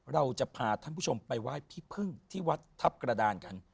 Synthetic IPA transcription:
ɾa˧wt͡ɕa˨˩pʰaː˨˩t̪ʰa˥˩pʰuː˥˩t͡ɕʰo˧mpa˧jwaː˥˩jpʰiː˥˩pʰɯ˥˩ŋt̪ʰiː˥˩wa˦˥t̪ʰːa˦˥p̚kɾa˧daː˧nka˧n

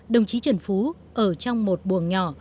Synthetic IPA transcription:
ɗə˨˩wŋ͡mt͡ɕi˨˦t͡ɕə˨˩nfu˨˦ | ʔəː˧˩t͡ɕɔ˧wŋ͡mmo˨˩t̚ɓu˨˩ənɲɔ˧˩

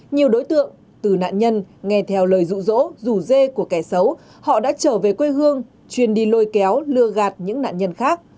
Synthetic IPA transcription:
ɲi˨˩əwɗo˨˦jt̪ɨ̰˧˨əŋ | t̪ɨ˨˩na̰ː˧˨nɲə˧nŋɛ˧t̪ʰɛ˧wləː˨˩jzṵ˧˨zo̰˧˥zu˧˩ze˧ku˧˩əkɛ˧˩sə˨˦w | hɔ̰˧˨ɗa̰ː˧˥t͡ɕəː˧˩ve˨˩kwe˧hɨ˧əŋ | t͡ɕwi˨˩ənɗi˧lo˧jkɛ˨˦wlɨ˧əɣaː˨˩t̚ɲɨ̰˧˥ŋna̰ː˧˨nɲə˧nxaː˦˥k̚

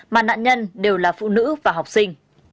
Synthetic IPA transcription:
maː˨˩na̰ː˧˨nɲə˧nɗe˨˩wlaː˨˩fṵ˧˨nɨ̰˧˥vaː˨˩ɦɔ˨˩wk͡p̚sï˧ŋ̟

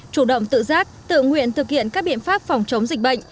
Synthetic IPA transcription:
t͡ɕu˧˩ɗə̰˧˨wŋ͡mt̪ɨ̰˧˨zaː˦˥k̚t̪ɨ̰˧˨ŋwḭ˧˨ənt̪ʰɨ˨˩k̚hḭ˧˨ənkaː˦˥k̚ɓḭ˧˨ənfaː˦˥p̚fwŋ͡mt͡ɕə˨˦wŋ͡mzï˨˩k̟̚ɓə̰˧˨jŋ̟

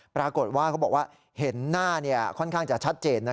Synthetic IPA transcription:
pɾaː˧ko˨˩t̪̚waː˥˩kʰa˦˥wbɔː˨˩kwaː˥˩ | he˩˦nːaː˥˩ni˥˩ɐkʰɔ˥˩nkʰaː˥˩ŋt͡ɕa˨˩t͡ɕʰa˦˥t̪̚t͡ɕeː˧nː˦˥

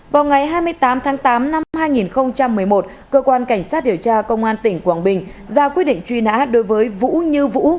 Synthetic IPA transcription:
vaː˨˩wŋa˨˩jɦaː˧jmɨ˧əjt̪aː˨˦mt̪ʰaː˨˦ŋt̪aː˨˦mna˧mhaː˧jŋi˨˩nxə˧wŋ͡mt͡ɕa˧mːɨ˨˩əjmo˨˩t̚ | kəː˧kwaː˧nka˧˩jŋ̟saː˦˥t̚ɗi˨˩əwt͡ɕaː˧kə˧wŋ͡mʔaː˧nt̪ï˧˩ŋ̟kwaː˧˩nɓï˨˩ŋ̟zaː˧kwi˦˥ɗḭ˧˨ŋ̟t͡ɕwi˧na̰ː˧˥ɗo˨˦jvəː˨˦jvṵ˧˥ɲɨ˧vṵ˧˥

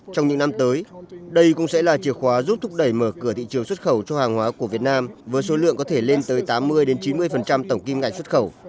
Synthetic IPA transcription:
t͡ɕɔ˧wŋ͡mɲɨ̰˧˥ŋna˧mt̪əː˨˦jɗə˧jkʊ̰˧˥ŋ͡msɛ̰˧˥laː˨˩t͡ɕi˨˩əxwaː˨˦zu˦˥p̚t̪ʰʊ˦˥k͡p̚ɗə˧˩jməː˧˩kɨ˧˩əḭ˧˨t͡ɕɨ˨˦əŋswt̚xə˧˩wt͡ɕɔ˧haː˨˩ŋhwaː˨˦ku˧˩əvi˨˩ət̚naː˧mvəː˨˦jso˨˦lɨ̰˧˨əŋkɔ˨˦t̪ʰe˧˩le˧nt̪əː˨˦jt̪aː˨˦mːɨ˧əjɗe˨˦nt͡ɕi˨˦nmɨ˧əjfə˨˩nt͡ɕa˧mt̪ə˧˩wŋ͡mki˧mŋa̰˧˨jŋswə˦˥t̚xə˧˩w

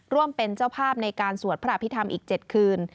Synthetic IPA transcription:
ɾu˥˩əmpe˧nt͡ɕa˥˩wpʰaː˥˩p̚na˧jkaː˧nsu˨˩˦ət̪̚pʰa˧˥ʔa˧˩pʰːi˦˥t̪ʰa˧mʔiː˨˩k̚t͡ɕe˨˩t̪̚kʰɯː˧n

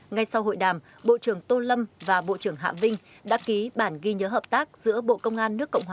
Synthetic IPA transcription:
ŋa˧jsa˧wɦo̰˧˨jɗaː˨˩m | ɓo̰˧˨t͡ɕɨ˧˩əŋt̪o˧lə˧mvaː˨˩ɓo̰˧˨t͡ɕɨ˧˩əŋɦa̰ː˧˨vï˧ŋ̟ | ɗa̰ː˧˥ki˨˦ɓaː˧˩nɣi˧ɲəː˨˦ɦəː˨˩p̚t̪aː˦˥k̚z̥ɨ̰˧˥əɓo̰˧˨kə˧wŋ͡mʔaː˧nːɨ˦˥əkːə̰˧˨wŋ͡mhwaː˨˩

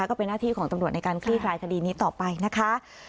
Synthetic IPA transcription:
a˦˥kɔː˥˩pe˧nːaː˥˩iː˥˩kɔː˩˦ŋt̪a˧mɾu˨˩ət̪̚na˧jkaː˧nkʰli˥˩kʰlaː˧jkʰa˧diː˧niː˦˥t̪ɔː˨˩pa˧jna˦˥kʰa˦˥

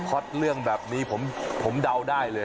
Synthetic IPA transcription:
kʰɔ˦˥t̪̚lɯ˥˩əŋbɛː˨˩p̚niː˦˥pʰo˩˦mpʰo˩˦mda˧wdaː˥˩jlɤː˧

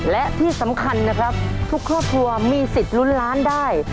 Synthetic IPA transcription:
lɛ˦˥ʔt̪ʰiː˥˩sa˩˦mkʰa˧nːa˦˥kʰɾa˦˥p̚t̪ʰu˦˥kʰɾɔː˥˩p̚kʰɾu˧ɐmiː˧si˨˩t̪̚lu˦˥nlaː˦˥ndaː˥˩j

